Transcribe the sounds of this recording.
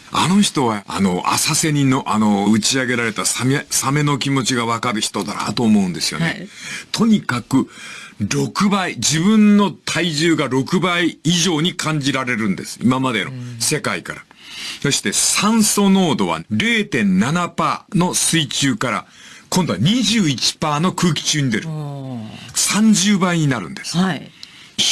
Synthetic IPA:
a̰no̞çi̥t̪o̞βaa̰no̞ʔa̰sase̞ɲ̟ĩnːo̞ʔano̞ɯ̟t͡ɕiaɡe̞ɾaɾe̞t̪asamesame̞no̞kʲimo̞t͡ɕiɡaβakaɾɯ̟çi̥t̪o̞d̪aɾa̰t̪o̞ːmo̞ɯ̃nd̪e̞sɨjo̞̰net̪ʰo̞ɲ̟ikakɯ̟ɾo̞kɯ̟baid͡ʑibɯ̟̃nːo̞t̪ʰaiʑɨːɡaɾo̞kɯ̟baiːʑo̞ːɲ̟ikʰãɲ̟d͡ʑiɾaɾe̞ɾɯ̟̃nd̪e̞̰sɨ̥ḭmamad̪e̞no̞̰se̞kaikaɾa | so̞ɕi̥t̪e̞sãɰ̃so̞no̞ːd̪o̞βa̰ɾe̞ːt̪ẽ̞nːanapaːno̞sɨit͡ɕɨːkaɾa̰ | kõ̞nd̪o̞aɲ̟iʑɨːit͡ɕi̥paːno̞kɯ̟ːkʲi̥t͡ɕɨːɲ̟id̪e̞ɾɯ̟ | sãɲ̟d͡ʑɨːbaiɲ̟inaɾɯ̟̰̃nd̪e̞sɨ̥

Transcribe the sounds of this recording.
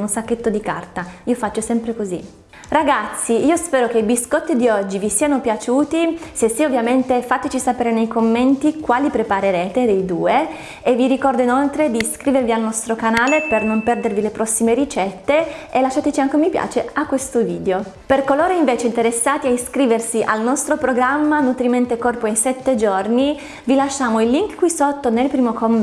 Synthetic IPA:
unsakːet̪ːod̪ika̰rt̪aiːofat͡ʃːosɛmpɾekozḭ | raɡat̪sːiiːospɛːɾok̟eibiskɔt̪ːid̪iɔd͡ʒːivisiːanopjat͡ʃuːt̪isesiovːjament̪efat̪et͡ʃisapeːɾenejkomːent̪ikwaːlipɾepaɾeɾeːt̪ed̪ejd̪uːe | evːiɾikɔrd̪oinolt̪ɾed̪iskɾiːvervialnɔst̪ɾokanaːlepernompɛrd̪ervilepɾɔsːimeɾit͡ʃɛt̪ːeelːaʃːaːt̪et͡ʃiaŋk̟emipja̰ːt͡ʃeakːwest̪oviːd̪eoperkoloːɾeiɱveːt͡ʃeint̪eɾesːaːt̪iaiskɾiːversiʔalnɔst̪ɾopɾoɡɾamːanut̪ɾiment̪ekɔrpoinsɛt̪ːed͡ʒorni | vilaʃːaːmoilːiŋkkːwisot̪ːonelpɾiːmokom

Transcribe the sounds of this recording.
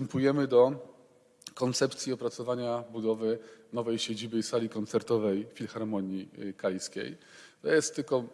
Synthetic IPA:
ɛmpujɛmɘd̪ɔ | kɔnt̪sɛp̚t̪sʲiɔpɾat̪sɔvaɲabud̪ɔvɘnɔvɛjɕed͡ʑibɘisalʲikɔnt̪sɛɾt̪ɔvɛjfʲilxaɾmɔɲjikajskʲḛj | t̪ɔjɛst̪ːɘlkɔ

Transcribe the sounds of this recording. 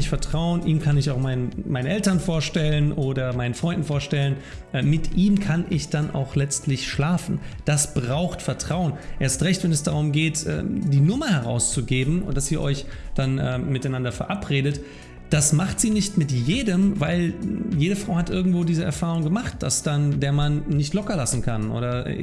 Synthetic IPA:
ɪçtfɛɐtʁ̥aʊənʔḭːmkʰanɪçaʊxmaɪnəmaɪnənʔɛltɐnfoːɐʃtɛlənʔoːdɐmaɪnənfʁ̥ɔʏndn̩foːɐʃtɛlən | ʔɛmɪtʔiːmkʰanʔɪçd̥anʔa̰ʊxlɛt͡stlɪçʃlaːfn̩d̥asb̥ʁaʊxtfɛɐtʁ̥aʊənʔeːɐstʁɛçtv̥ɛnɛsd̥aʁʊmɡeːtʔɛ̰ːd̥iːnʊmɐhɛʁ̞a̰ʊst͡suɡeːbm̩ʊnd̥asiːɐʔɔʏçd̥anʔɛːmɪtaɪnandɐfɛɐʔapʁ̥eːdət | d̥asmaχtz̥iːnɪçtmɪtjeːdəmvaɪljeːɾəfʁ̥aʊhatʔɪɐɡŋ̩tv̥oːdiːzəʔɛ̰ɐfaːʁ̞ʊŋɡəmaχt̚d̥a̰sd̥andeːɐmanːɪçtlɔkɐlasn̩kʰanʔo̰ːɾɐ̰

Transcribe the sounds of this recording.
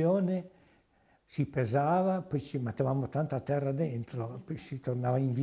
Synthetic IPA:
oːne | sipezaːvapɔjt͡ʃimet̪ːevamot̪ant̪at̪ɛrːad̪ent̪ɾopɔjsit̪ornaːvaiɱvi

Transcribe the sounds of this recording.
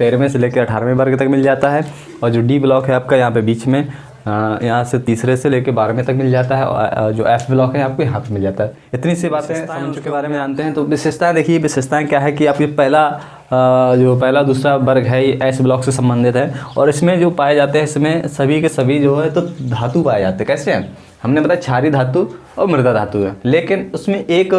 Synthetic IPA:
peːɾmẽseleːkeɐʈʰaːɾmẽbɐɾɡt̪ɐkmɪld͡ʒaːt̪aɦɛː | ɔːɾd͡ʒoːɖiːblɔːkɦɛaːp̚kajɐɦãpebiːt͡ʃmẽ | jɐɦãset̪iːsɾeseleːkebaːɾmẽt̪ɐkmɪld͡ʒaːt̪aɦɛɔ̰ɾd͡ʒo̰ːɛːpʰblɔːkɦɛjaːp̚kojɐɦãt̪ʰmɪld͡ʒaːt̪aɦɛ | ɪt̪nisibaːt̪ẽɐmkebaːɾemẽd͡ʒaːnt̪eɦɛ̃t̪oʋɪʃeʃt̪ʰaẽd̪eːkʰieʋɪʃeʃt̪ʰaẽkjaːɦɛkiaːp̚kipɛɦla | d͡ʒoːpɛɦlad̪uːsɾabɐɾɡʱɦɛiʔɛːɪsblɔːksesɐ̃mbə̃nd̪ʱɪt̪ɦɛːɔ̰ːɾɪsmẽd͡ʒoːpaːed͡ʒaːt̪eɦɛ̃ɪsmẽsɐbʱikesɐbʱid͡ʒoːɦɛt̪od̪ʱaːt̪upaːed͡ʒa̰ːt̪eɦɛ̃kɛːseɦɛ̰̃ː | hɐmnebɐt̪aːet͡ʃʰaːɾid̪ʱaːt̪u | ɔ̰ːɾmɪɾd̪ad̪ʱaːt̪uɦɛːleːkɪnʊsmẽʔeːk

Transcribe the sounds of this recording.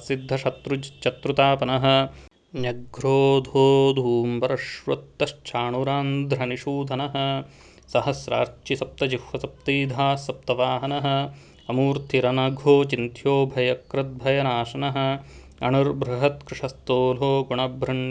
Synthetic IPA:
sid̪ʱːɐʃɐt̪ɾut͡ʃɐt̪ɾut̪aːpɐnɐɦɐ̆ | nɐɡɾoːd̪ʱoːd̪ʱuːmbɐɾɐʃʋɐt̪ːɐʃt͡ʃʰaːɳuɾaːnd̪ʱɾɐniʃuːd̪ʱɐnɐɦɐ̆ | sɐhɐsɾa̰ːɾt͡ʃisɐp̚t̪ɐd͡ʒihʋɐsɐp̚t̪iːd̪ʱaːsɐp̚t̪ɐʋaːɦɐnɐɦɐ̆ | ɐmuːɾt̪ʰiɾɐnɐɡʱoːt͡ʃint̪ʰjoːbʱɐjɐkɾɐt̪̚bʱɐjɐnaːʃɐnɐɦɐ̆ | ɐ̰ɳɐɾbɾɐɦɐt̪kɾɪʂɐst̪oːloːɡuɳɐbʱɾɐɳ

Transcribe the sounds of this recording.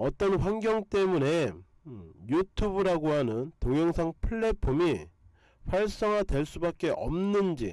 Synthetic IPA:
ʌt͈ʌnɸwanɡjʌŋt͈e̞mune̞ | jutʰubɯɾaɡoɦanɯntoŋjʌŋsʰaŋpʰɯɭːe̞pʰomi | ɸwaɭs͈ʌŋɦadwe̞ɭs͈ubak͈e̞ʔʌmnɯnd͡ʑḭ

